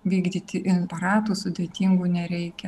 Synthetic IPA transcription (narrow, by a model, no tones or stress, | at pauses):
ʋʲiːɡd̪ʲiːt̪ʲɪʔɪnpɐɾɑːt̪uːsʊd̪ʲeːt̪ʲiːŋɡuːnʲɛɾʲɛɪkʲɛ